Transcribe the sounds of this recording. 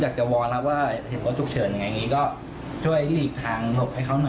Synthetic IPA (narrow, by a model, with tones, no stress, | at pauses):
jaː˨˩k̚t͡ɕa˨˩wɔː˧nla˦˥p̚waː˥˩he˨˩˦nkʰaː˦˥˩t͡ɕʰu˨˩k̚t͡ɕʰɤː˩˦nja˨˩ŋa˧jŋiː˦˥kɔː˥˩ | t͡ɕʰu˥˩əjliː˥˩k̚t̪ʰaː˧ŋlo˨˩p̚ha˥˩jkʰa˦˥nɔ˨˩